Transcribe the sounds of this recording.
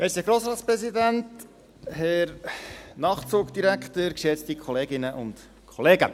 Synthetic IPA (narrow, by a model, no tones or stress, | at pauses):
ʔɛsəɡɾoːsɾɑːtspɾɛsidænt | hɛɾnɑːχt͡suːkd̥iɾæktəɾkʃɛt͡stikʰɔleːɡɪnəʔʊ̰nt | kʰɔleːɡə